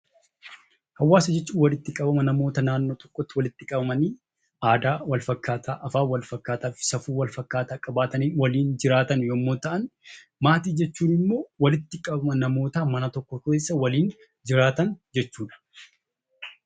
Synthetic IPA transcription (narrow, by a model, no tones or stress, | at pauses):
hɐwːaːsɐd͡ʒɛt͡ʃːuːwɐlɪt̪ːɪkʼɐbɐmɐnɐmo̞ːt̪ɐnaːnːo̞ːt̪ɔ̥kːɔt̪ːɪwɐlɪt̪ːɪkʼɐbɐmɐniː | aːd̪aːwɐlfɐkːaːt̪ʰaːʔɐfaːwɐlfɐkːaːt̪aːfsɐfuːwɐlfɐkːaːt̪aːkʼɐbaːt̪ɐniːnwɐliːnd͡ʒɪɾaːt̪ɐnjomːoːt̪ɐʔɐn | maːt̪iːd͡ʒɛt͡ʃːuːnɪmːo̞ːwɐlɪt̪ːɪkʼɐbɐmɐnɐmo̞ːt̪aːmɐnɐt̪ɔkːɔkeːsːɐwɐliːn | d͡ʒɪɾaːt̪ɐnd͡ʒɛt͡ʃːuːᶑɐ̥